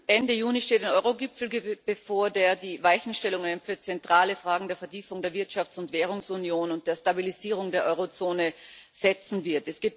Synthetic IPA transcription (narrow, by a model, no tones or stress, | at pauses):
ʔɛndəjuːniʃteːtaɪnʔɔʏʁoɡɪpfl̩ɡb̥əfoːɐdeːɐdiːvaɪçn̩ʃtɛlʊŋanfyːɐt͡sɛntʁ̥aːləfʁ̥aːɡŋ̩deːɐfɛɐtʰiːfʊŋdeːɐvɪɐtʃaft͡sʊntv̥ɛːʁ̞ʊŋsunjoːnʊnt̚d̥eːɐstabiliziːʁ̞ʊŋdeːɐʔɔʏʁot͡soːnəz̥ɛt͡sn̩vɪɐtɛsɡ̥eːt